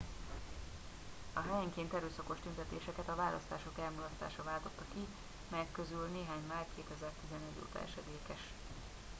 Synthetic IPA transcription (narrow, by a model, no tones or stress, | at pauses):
ɒɦɛjɛŋkeːnt̪ɛɾøːsɒko̞ʃt̪ynt̪ɛt̪eːʃɛkɛt̪ɒvaːlʔɒ̰st̪aːʃo̞kɛlmulɒst̪aːʃɒvaːlt̪o̞t̪ːɒki | mɛjɛkːø̞zylneːɦaːɲmaːrkeːt̪ɛzɛrt̪izɛnɛɟːo̰ːt̪ɒ̰ɛ̰ʃɛd̪eːkɛʃ